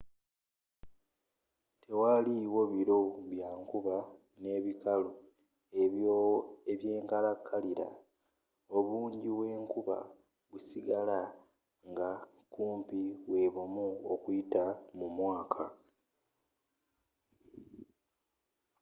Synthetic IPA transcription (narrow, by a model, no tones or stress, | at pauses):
tʰe̞waliwo̞βiɾo̞βjaːŋkuβa | ne̞ːβikalo | eβjoeβje̞ːŋkalakʰːaliɾa̰ | o̞βuːɲɟiβwe̞ːŋkuβa̰ | βusiɡala | ŋɡa | kuːmpiwe̞ːβomuokuitamumwaːkʰa